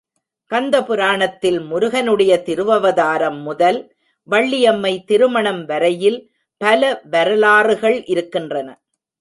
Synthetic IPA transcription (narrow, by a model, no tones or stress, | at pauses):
kɐnd̪ɐpɯɾaːɳɐt̪ːɪlmʊɾʊɣɐnɯɽɐjɐt̪ɪɾɯʋɐʋɐðaːɾɐmːʊðɐl | ʋɐɭːɪjɐmːɐɪt̪ɪɾɯmɐɳɐmʋɐɾɐjɪl | pɐlɐʋɐɾɐlaːrɯɣɐɭʔɪɾɯkːɪndrɐnɐ